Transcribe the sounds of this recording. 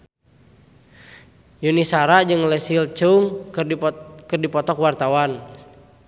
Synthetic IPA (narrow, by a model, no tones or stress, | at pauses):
junisaɾad͡ʒɨŋlɛsilt͡ʃuŋ | kərdipɔt̪ɔkwart̪awan